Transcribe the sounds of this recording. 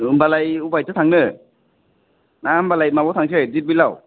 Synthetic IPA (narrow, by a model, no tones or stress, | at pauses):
ɯmbalajubajtɯt̪ʰaŋnɯ | nambalajmaatʰaŋsʰɯzibilaw